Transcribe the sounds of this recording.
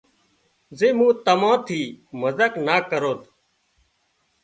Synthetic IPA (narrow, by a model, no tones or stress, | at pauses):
zeːmũːt̪əmãːt̪ʰiːməzəknaːkəɾoːt̪ʰ